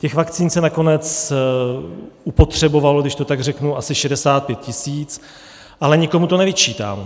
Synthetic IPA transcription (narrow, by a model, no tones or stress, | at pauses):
cɛxvakt͡siːnsɛnako̞nɛt͡s | upo̞t̪r̝̥ɛbo̞valoɡdɪʃt̪o̞t̪aɡrɛknuʔasɪʃɛdɛsaːt̪̚pjɛt̪̚cɪsiːt͡s | ʔalɛɲɪko̞mut̪o̞nɛvɪt͡ʃiːt̪a̰ːm